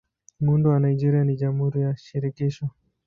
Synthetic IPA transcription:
mundɔwanaid͡ʒiɾianiʄamhuɾijaʃiɾikiʃɔ

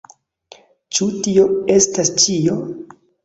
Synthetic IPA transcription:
t͡ʃutio̞e̞stast͡ʃio̞

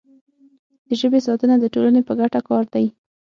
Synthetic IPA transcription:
d̪̥əʒəbesɑt̪ənad̪əʈolanepəɡaʈakɑɾd̪aj

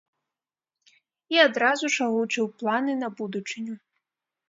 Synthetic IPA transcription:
iad̪ɾazuʂaɣut͡ʂɨwplˠanɨnɐbud̪ut͡ʂɨnʲu

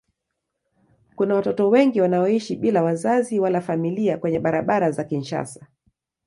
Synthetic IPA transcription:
kunawatɔtɔwɛŋɡiwanaɔiʃiɓilawazaziwalafamiliakwɛɲɛɓaɾaɓaɾazakinʃa̰sḁ

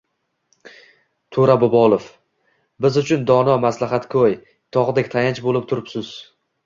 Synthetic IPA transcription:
t̪ʰʊɾabɒbɒlˠof | bɪzʊt͡ʃʰʊnd̪ɒnɒmaslˠaɦat̪kʰoj | t̪ʰɒʁd̪ekʲt̪ʰajant͡ʃbolɪp̚t̪ʰʊɾɪpsʊz

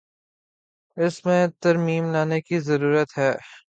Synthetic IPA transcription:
ɪsmẽt̪ɐɾmiːmlaːnekizɐɾuːɾət̪ɦɛː

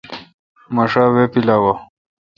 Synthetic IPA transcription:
mɐʂaːwepilaːwa

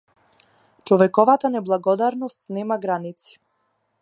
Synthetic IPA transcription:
t͡ʃɔvɛkɔvat̪anɛblˠaɡɔd̪aɾnɔst̪̚nɛmaɡɾanit̪si̥

